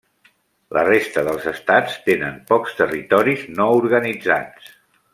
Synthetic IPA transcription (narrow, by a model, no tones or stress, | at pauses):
lʔə̰rest̪əðəlˠzəst̪at͡st̪enəmpɔkst̪ərit̪ɔɾiznɔuɾɣənid͡za̰t͡s